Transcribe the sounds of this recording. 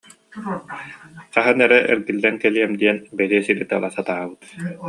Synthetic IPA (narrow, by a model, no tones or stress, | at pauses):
qaɦanɛɾɛʔɛɾɡilːɛnkɛliɛmd̪iɛnbɛliɛsilɛt̪ɛɔ̰lˠasat̪aːbɯt̪